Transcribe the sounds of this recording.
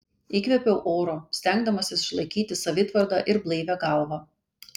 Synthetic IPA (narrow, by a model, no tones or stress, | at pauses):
iːkʋʲɛpʲɛʊʔoːɾoːsʲt̪ʲæˑŋɡd̪ɐmɐsʲɪsɪʃlˠɐɪkʲiːt̪ʲɪsɐʋʲɪt̪ʋɐɾd̪ɑːʔɪɾblˠɐɪʋʲæɡɑˑlˠʋɑː